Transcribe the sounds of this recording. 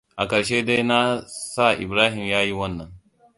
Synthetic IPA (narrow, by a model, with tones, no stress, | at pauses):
ʔa˨kɐ˨ʃeː˦de˦jna˦sa˦˨ʔɪ̰˨bɾaː˦ɦɪ˨mjaː˦ji˦wɐ˦nːɐ˨ŋ